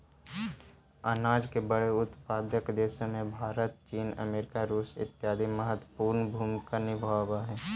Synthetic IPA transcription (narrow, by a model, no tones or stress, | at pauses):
aːnaːd͡ʒkebəɽeʊt̪paːd̪jəkd̪eːʃõmẽbʱaːɾət̪̚t͡ʃiːnə̰meːɾɪkaɾuːsɪ̰t̪ːjaːd̪ʱiməɦət̪əpuːɾnbʱuːmkanɪbʱawaɦɛː